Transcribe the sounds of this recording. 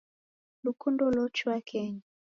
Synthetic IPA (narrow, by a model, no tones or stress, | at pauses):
lukundɔlɔt͡ʃuakʰɛɲi